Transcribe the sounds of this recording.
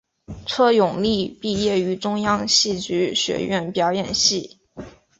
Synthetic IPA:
ʈ͡ʂʰɤ˥jʊ˨˩ŋli˥˧pi˥˧jɛ˥˩y˧˥ʈ͡ʂʊ˥ŋjɑ˥ŋɕi˥˩t͡ɕy˧˥ɕɥɛ̰˧˥ɥɛ̰˥˩npjɑ˧˥ʊjɛ˨˩nɕi˥˩

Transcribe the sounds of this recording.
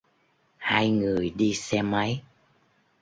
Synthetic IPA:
haː˧jŋɨ˨˩əjɗi˧sɛ˧ma˨˦j

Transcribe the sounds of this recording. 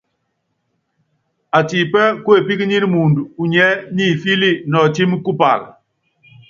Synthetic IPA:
a˨ti˨pɛ˦ku˦e˨pi˦kɲi˦ɾi˦mu˨ndu˨u˨ɲɛ˦ni˦˨fi˦li˦˨nɔ˨ti˦m˦ku˦pa̰˨l

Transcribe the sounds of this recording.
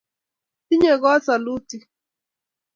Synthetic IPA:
ti˦ɲe˨ɣɔ˦sa˨lu˦ti˦

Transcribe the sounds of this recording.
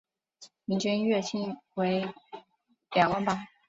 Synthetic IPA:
mi˧˥t͡ɕə˥nɥɛ˥˩t͡ɕʰi˥nwe˧˥ɪ | ljɑ˨˩ŋwə˥˩nbɐ˨

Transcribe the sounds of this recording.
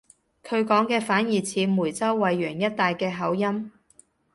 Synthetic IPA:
kʰɵ˨˧ɥkɔː˨˥ŋkɛː˧faː˨˥njiː˨˩t͡sʰiː˨˧muː˨˩jt͡sɐ˥wːɐ˨jɥœː˨˩ŋjɐ˥t̚t̪aː˨jkɛː˧ɦɐ˨˥wjɐ˥m

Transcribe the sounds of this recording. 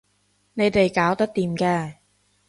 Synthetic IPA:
ne˨˧jt̪e˨jkaː˨˥wt̪ɐ˥k̚t̪iː˨mkɛː˧

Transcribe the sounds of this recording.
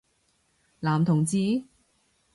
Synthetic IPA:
laː˨˩mt̪ʰʊ˨˩ŋt͡siː˧

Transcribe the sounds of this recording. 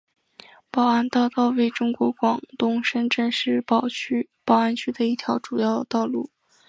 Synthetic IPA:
pɑ˨˩ʊa˥nt̪ɑ˥˧ʊt̪ɑ˥˧ʊwe˥˩ɪʈ͡ʂʊ˥ŋkwɔ˧˥kwɑ˨˩ŋt̪ʊ˥ŋʂə˥nʈ͡ʂə˥˧nʂɻ̩˥˩ppɑ˨˩ʊa˥nt͡ɕʰy˥d̪ə˨i˥˩t̪ʰjɑ˧˥ʊʈ͡ʂu˨˩jɑ˥˧ʊdt̪ɑ˥˧ʊlṵ˥˩

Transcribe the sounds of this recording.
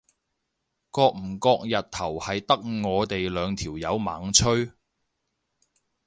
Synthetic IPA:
kɔː˧k̚m̩˨˩kɔː˧k̚jɐ˨t̚t̪ʰɐ˨˩whɐ˨jt̪ɐ˥k̚ŋɔː˨˧t̪e˨jlœː˨˧ŋt̪ʰiː˨˩wjɐ˨˧wmaː˨˥ŋt͡ʃʰɵ˥ɥ

